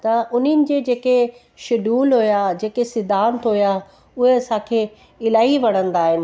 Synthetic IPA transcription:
t̪ɐʔʊnɪnɪ̆d͡ʑeːd͡ʑeːke | ʃɪɗuːlɦʊjaːd͡ʑeːkesɪd̪ʱaːnt̪ɦʊja | ʊɦeɐsãːkʰeː | ɪlaːiʋɐɽ̤̃ə̃nd̪aːɦɪnɪ̆

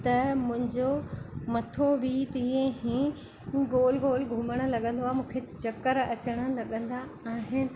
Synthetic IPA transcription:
t̪ɐmʊ̃ɦɪ̃ɲd͡ʑomɐt̪ʰobit̪ĩːẽɦĩ | ɡoːlɡoːlɡʱʊməɽ̃ə̆lɐɠə̃nd̪oaːɦemũːkʰet͡ɕɐkəɾɐt͡ɕəɽ̃ə̆lɐɠə̃nd̪aː | ɦɪnɪ̆

